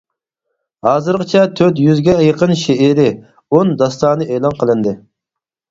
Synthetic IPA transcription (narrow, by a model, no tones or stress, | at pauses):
hɑːzɨɾʁət͡ʃʰɛt̪ʰøt̪jyzɡʲɛjəqʰənʃeeɾɪ | ond̪ɑst̪ɑːnɨeːlˠɑnqʰəlˠɨnd̪ɪ